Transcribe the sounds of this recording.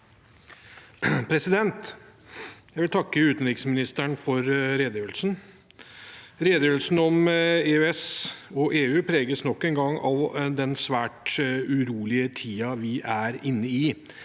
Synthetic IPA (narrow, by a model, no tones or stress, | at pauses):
pʰɾɛsɪd̪ɛnt̪ | jæɪʋɪlt̪ʰɑkːəʉːt̪nɾɪksmɪnɪst̪əɳfɔɾɾeːd̪jəːʋlsn | ɾeːd̪jœːlsn̩ɔmeːøɛsɔʔeːʉːpʰɾeːɡəsnɔkːɛŋɡɑŋːɑʋd̪ɛnsʋæːʈʉɾuːlɪət̪ʰiːɑʋɪʔæɾɪnːəɪ